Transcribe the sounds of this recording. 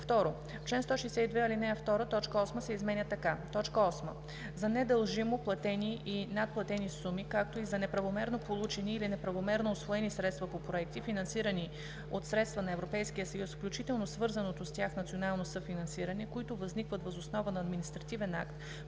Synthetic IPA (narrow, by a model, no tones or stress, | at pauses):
ft̪ɔɾo | t͡ʃlɛnst̪ɔʃɛjsɛid̪vɛilinɛft̪ɔɾət̪ɔt͡ʃkəɔsməsɛizmɛnʲət̪ɐkat̪ɔt͡ʃkəɔsmə | zɐnɛd̪ɐlˠʒimoplˠɐt̪ɛniinat̪̚plˠɐt̪ɛnisumikak̚t̪oizɐnɛpɾɐvomɛɾnopolˠut͡ʃɛniːlinɛpɾɐvomɛɾnoːsvoɛnisɾɛt̪st̪vɐpopɾoɛk̚t̪ifinɐnsiɾəni | ot̪sɾɛt̪st̪vənɐɛvɾopɛjskijəsɐjusfklʲut͡ʃit̪ɛlˠnosvɤɾzɐnot̪ost̪ʲjaxnɐt̪sionalˠnosɤfinɐnsiɾɐnɛkoit̪ʊvɐznikvət̪vɐzosnɔvənɐːd̪minist̪ɾɐt̪ivɛna̰kt̪